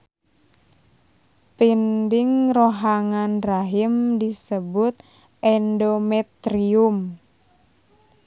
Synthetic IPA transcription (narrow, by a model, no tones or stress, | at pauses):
pindɪŋroɦaŋanraɦimdisəbʊt̪̚ | ʔɛndomɛt̪ɾium